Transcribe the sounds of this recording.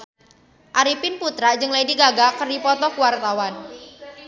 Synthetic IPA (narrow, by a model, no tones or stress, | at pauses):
ʔaɾipɪnput̪ɾad͡ʒɨŋlejdiɡaɡakərdipɔt̪ɔkuwart̪awan